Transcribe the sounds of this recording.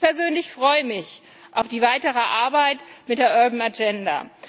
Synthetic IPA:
pɛɐzøːnlɪçfʁ̥ɔʏəmɪç | ʔaʊfd̥iːvaɪtəʁəʔaɐbaɪtmɪtd̥eːɐʔœɐbn̩ad͡ʒɛnda̰

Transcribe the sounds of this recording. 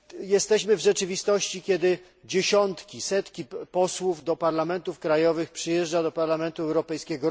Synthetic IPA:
jɛst̪ɛɕmɘvʐɛt͡ʂɘvʲist̪ɔɕt͡ɕikʲɛd̪ɘ | d͡ʑeɕɔnt̪kʲisɛt̪kʲipɔswuvd̪ɔpaɾlamɛnt̪ufkɾajɔvɘxpʂɘjɛʐd͡ʐad̪ɔpaɾlamɛnt̪uɛwɾɔpɛjskʲɛɡɔ

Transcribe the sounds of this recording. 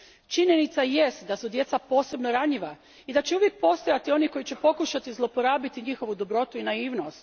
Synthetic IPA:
t͡ʃiɲje̞nit̪sajest̪d̪asud̪je̞t̪sapo̞ːse̞bno̞ɾaɲiʋa | id̪at͡ɕeuʋje̞k̚po̞st̪o̞jat̪io̞nikojit͡ɕe̞po̞kuʃat̪izlˠo̞poɾaːbit̪iɲixo̞ʋud̪o̞bɾo̞t̪uinaiːʋno̞st̪

